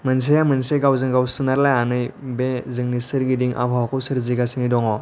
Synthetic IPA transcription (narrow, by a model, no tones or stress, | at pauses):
məns̬ejamənseɡawzɯŋɡawsɯnaɾlajanɯjbed͡zɯŋnisɯɾɡidiŋʔa̰bʱawkɔsəɾd͡ziɡasinidɔŋɔ